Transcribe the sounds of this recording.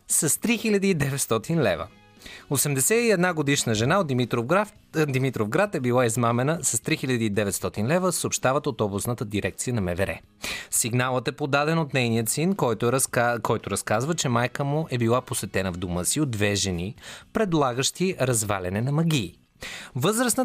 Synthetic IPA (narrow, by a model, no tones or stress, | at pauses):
sɐst̪ɾixilʲɐd̪iːd̪ɛvɛt̪st̪ɔt̪inlɛvə̰ | osɛmd̪ɛsɛiɛd̪naɡod̪iʃnəʒɛnaod̪imit̪ɾo | d̪imit̪ɾofɡɾat̪ɛbilˠaizmamɛnəsɐst̪ɾixiʎʲɐd̪iːd̪ɛvɛt̪st̪ɔt̪inlɛvəsəoːpʃt̪avət̪ɐt̪ɔbusnət̪əd̪iɾɛk̚t̪sijənɐmɛvɛɾɛ̰ | siɡnalˠət̪ɛpod̪ad̪ɛnot̪nɛjnijət̪sin | kʰɔjt̪ʊɾɐskazvət͡ʃɛmajkəmʊʔɛbilˠaposvɛt̪ɛnəvd̪oməsiod̪ːvɛʒɛnipɾɛd̪lˠaɡəʃt̪iɾɐzva̰lɛnɛnɐmɐɡʲiː | vɤzɾəsnə